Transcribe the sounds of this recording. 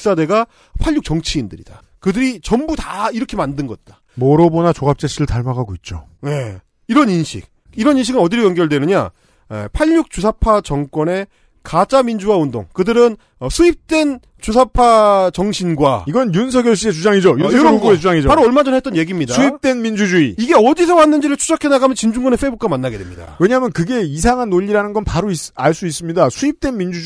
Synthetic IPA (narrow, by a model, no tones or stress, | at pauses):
s͈ade̞ɡa | pʰaʎːuk̚t͡ɕʌŋt͡ɕʰiːndɯɾḭd̥a | kɯdɯɾit͡ɕʌmbutaiɾʌkʰe̞mandɯnɡʌt̚t͈ḁ | moɾobonat͡ɕoɡap̚t͡ɕ͈et͡ɕʰiɾɯɭtaɭmaɡaɡoit̚t͡ɕ͈oje̞ | iɾʌninɕʰḭk̚ | iɾʌninɕʰiɡɯnʌdiɾojʌŋɡjʌɭdwenɯɲa̰ | ḛpʰaʎːuk̚t͡ɕusʰapʰat͡ɕʌŋk͈wʌne̞ | kat͡ɕ͈amind͡ʑuwaundo̰ŋkɯdɯɾɯn | ʌsʰuip̚t͈we̞n | t͡ɕusʰapʰat͡ɕʌŋɕʰinɡwaiɡʌnjunsʰʌɡjʌɭɕ͈ie̞t͡ɕud͡ʑaŋid͡ʑojuoɡet͡ɕud͡ʑaŋid͡ʑopaɾoʌɭmad͡ʑʌnɦet͈̚ʌnje̞ɡimɲidasuip̚t͈wenmind͡ʑud͡ʑuiiɡe̞ʌdis̬ʰʌwanːɯnd͡ʑiɾɯɭt͡ɕʰu̥d͡ʑakʰe̞naɡamjʌnt͡ɕind͡ʑuŋɡʌneɸ͈ebuk͈amanːaɡe̞de̞mɲḭda̰weɲaːmjʌnkɯɡe̞isʰaŋɦanːoʎːiɾanɯnɡʌnpaɾoisaɭs͈uis͈ɯmɲidasʰuip̚t͈we̞nmind͡ʑu